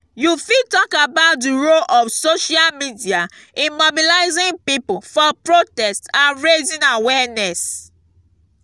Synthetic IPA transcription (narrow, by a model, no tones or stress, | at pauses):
jufitɔkabaʊt̚diɹolʔɔfsoʃalmidia | ĩnmobilaɪzĩŋpipofɔpɹotɛstãnɹezĩnawɛnɛs